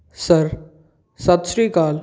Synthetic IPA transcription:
sɐɾ | sat̪ʃɾiːkaːl

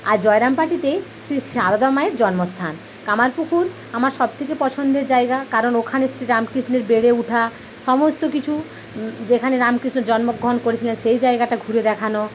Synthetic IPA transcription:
aɾd͡ʑɔeɾampaʈit̪esɾiʃaɾad̪ɔmaeɾd͡ʑɔnmost̪ʰan | kamaɾpukʰuɾ | amaɾʃɔbt̪ʰekepɔt͡ɕʰond̪eɾd͡ʑaeɡakaɾonokʰanesɾiɾamkɾisneɾbeɽeuʈʰa | ʃɔmost̪okit͡ɕʰu | d͡ʑekʰaneɾamkɾisnoɾd͡ʑɔnmoɡʱɾɔnkoɾet͡ɕʰilenʃejd͡ʑaeɡaʈaɡʱuɾed̪ɛkʰano

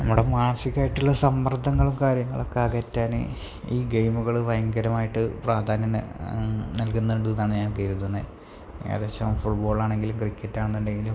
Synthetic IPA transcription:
nɐmːuɽe̞maːnɐsikʲːaːjiʈːuɭːɐsɐmːɐrd̪ʱːɐŋːɐɭumkaːɾjɐŋːɐɭokːaːketːaːn̰ | iːɡejmuɣɐɭɨʋɐjɐŋɡɐɾɐmaːjiʈːɨpraːd̪ʱaːnjɐ̰ | nɐlkunːɐuɳɖuðɐnaːɳɨɲaːnkejɾut̪ːunːɨ | ḛðeɕɐmfuʈbo̞ːɭaːɳe̞ŋɡilumkrikʲːetːaːɳɐnt̪ɐndeŋɡilum

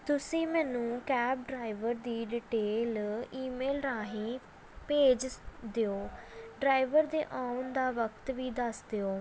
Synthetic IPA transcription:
t̪ʊsĩːmɛ̃ːnũːkɛːp̚ɖɾaːɪʋəɾd̪iːɖiːʈeːliːmeːlɾaːɦĩː | peːd͡ʒd̪eoːɖɾaːɪʋəɾd̪eːʔaːʊnd̪aːʋəkt̪ʋiːd̪əsd̪eoː

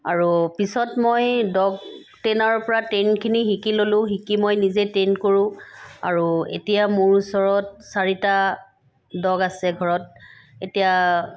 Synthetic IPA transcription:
aɹupisɔtmojdɔɡ | tɛnaɹpɔɹatenkʰinixikilolʊ̃ɦikimojnizetenkoɹʊ̃a̰ɹuḛtijamʊɹusɔɹɔt̚saɹita | dɔɡasɛɡʱɔɹɔt̚ | etija

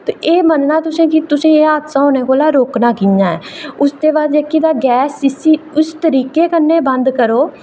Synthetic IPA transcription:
t̪eʔeːmənnaːt̪ʊsẽːkɪt̪ʊsẽːeːaːd̪sãːɦoːneːkoːlaːɾoːknaːkɪãːɛ̰ːʊsd̪eːbaːd̪d͡ʒekiːd̪aːɡɛːsɪsiːʊst̪əɾiːkeːkənːeːbənd̪kəɾoː

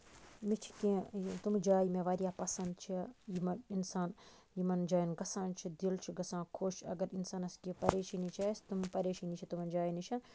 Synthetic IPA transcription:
mit͡ʃʰi̥kẽt̪umd͡ʒaːjmẽʋaːɾijaːpɐsɐnd̪t͡ʃʰijimɐninsaːn | jimɐnd͡ʒaːjinɡɐsãːnt͡ʃʰid̪ilt͡ʃʰiɡɐsãːkʰoːʃɐ̰ɡɐɾinsaːnɐskipɐɾeːʃɐnit͡ʃaːest̪umpɐɾeːʃiːnit͡ʃʰit̪umɐnd͡ʒaːjinit͡ʃʰɐ

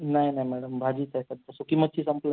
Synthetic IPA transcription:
najnajmæɽəmbʱad͡ʑiːt̪ajsəd̪t̪ːasukimət̪t͡ɕʰiːsəmpl

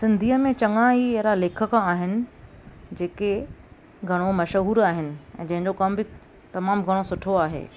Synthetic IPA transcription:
sɪ̃nd̪ʱiːəmẽt͡ɕɐŋaieɦɾaleːkʰəkaːɦɪnɪ̆ | d͡ʑeːke | ɡʱɐɽ̃omɐʃəɦuːɾaːɦɪnɪ̆ɛ̃ːd͡ʑɐ̃ɦɪ̃ɲd͡ʑokɐmbʱɪ | t̪ɐmaːmɡʱɐɽ̃osʊʈʰoaːɦḛː

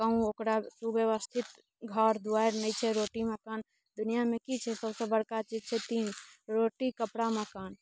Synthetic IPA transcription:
kəũokɾasubjeʋəst̪ʰit̪ | ɡʱəɾd̪uajɾnət͡ʃʰɛɾoʈiməkan | d̪unijamekit͡ʃʰɛsəbsə̃bəɽkat͡ʃid͡ʒt͡ʃʰɛt̪inɾoʈikəpɽaməkan

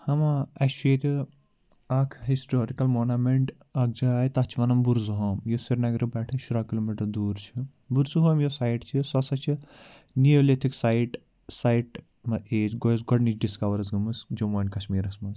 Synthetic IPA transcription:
hɐmaɐʃueːt̪ʲi | ɐkʰɦisʈoːɾikɐlmoːnɐmeɳʈ | ɐk̚d͡ʒaaːjt̪ɐt͡ʃʰʋɐnɐmbuɾzuɦoːmjosiɾnɐɡɾibɛːʈʰɨʃuɾaːkiloːmiʈɐɾd̪uːɾt͡ʃʰi | buɾzuɦomjosaːjʈt͡ʃʰisɐsɐt͡ʃʰi | niolet̪ʰiksajʈ | sajʈ | mɐeːt͡ʃɡojsɡɔɖnit͡ʃɖiskɐʋɐɾɐzɡɐmɨsd͡ʒomoːnʲkɐʃmiːɾɐsmɐnz

